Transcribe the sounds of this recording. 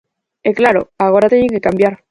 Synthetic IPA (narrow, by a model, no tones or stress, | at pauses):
eklaɾo̞̰aɣ̞o̞ɾat̪eɲeŋke̞kambjaɾ